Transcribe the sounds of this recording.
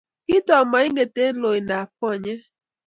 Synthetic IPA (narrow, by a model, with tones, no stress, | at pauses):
ki˦tɔ˨ma˨i˦ŋe˨te˦lo˨i˨na˨fɔ˦˨ɲɛ˦